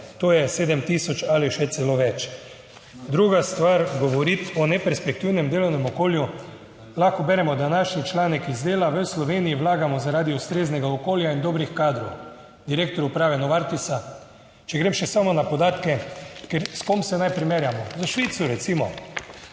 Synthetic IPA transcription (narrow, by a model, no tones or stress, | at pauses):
t̪oːjɛseːd̪əmt̪isɔt͡ʃaliʃɛt̪sɛloːʋɛt͡ʃ | d̪ɾuɡast̪ʋaɾɡɔʋɔɾit̪ɔnɛpɛɾspɛk̚t̪iwnɛmd̪eːlɔwnɛmɔkoːlju | laxkɔbɛɾɛmɔd̪anaʃnit͡ʃlaːnɛkizd̪eːlaʋəslɔʋeːnijiʋlaːɡamɔzaɾaːd̪iɔst̪ɾeːznɛɡaokoːljaind̪oːbɾixkaːd̪ɾɔw | d̪iɾeːkt̪ɔɾupɾaːʋɛnɔʋaɾt̪isa | t͡ʃɛɡɾeːmʃɛsamɔnapɔd̪aːt̪kɛkɛɾskomsɛnajpɾimeːɾjamɔzaʃʋiːt̪suɾɛt̪simɔ